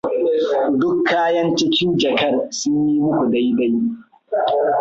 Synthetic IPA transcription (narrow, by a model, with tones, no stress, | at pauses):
dʊ˦kʰːaː˦jɐ˦nt͡ʃɪ˦kʲɪ˦nd͡ʒɐ˨kɐ˦rsʊ˦ɲji˦mʊ˦kʷu˨da˦jda˦j